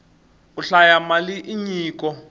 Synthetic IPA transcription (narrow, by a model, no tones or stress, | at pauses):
uɬajamaliʔiɲiːkʼɔ